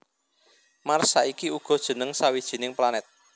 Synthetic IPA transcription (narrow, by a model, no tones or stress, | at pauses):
marsaikiuɡ̥ɔ̤d̥ʒ̥ə̤nəŋsawid̥ʒ̥i̤nɪŋplanɛt̪̚